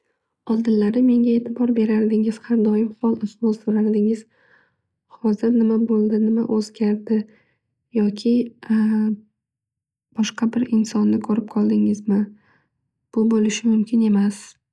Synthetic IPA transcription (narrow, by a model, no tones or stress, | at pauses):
ɒlˠd̪ɪnːaɾɪmːe̞ŋʲae̞ːt̪ʰɪbɒɾbe̞ɾaɾd̪ɪŋɪz̥haɾd̪ɒjɪmhɒlˠɪsmɒlsoɾaɾd̪ɪŋɪz̥ | hɒzɪɾnɪmabolˠd̪ɪnɪmaʔɵzɡʲaɾd̪ɪ | jɒkʲʰɪ | b̥ɒʃqɑbɪɾɪnsɒnːɪkʰoɾɪp̚qʰɒlˠd̪ɪŋɪzmɪ | b̥ʊbolɪʃɪmʊmkʲʰɪne̞mas